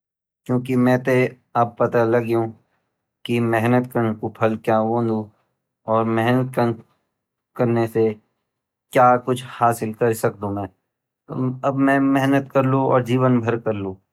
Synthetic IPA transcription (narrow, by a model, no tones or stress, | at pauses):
kjõːk̬imɛ̃ːt̪e | ɐb̚pɐt̪alɐɡjũ | kimɛɦnət̪kɐɾnekopʰɐlkjaːʋõːnd̪ũː | ɔːɾmɛɦnət̪̚kən | kɐɾnese | kjaːkʊt͡ʃʰhaːsɪlkɐɾsɐk̚d̪ũmɛ̃ː | ɐbmɛ̃mɛɦnət̪kɐɾlũɔ̰ːɾd͡ʒiːʋənbʱɐɾkɐɾlũː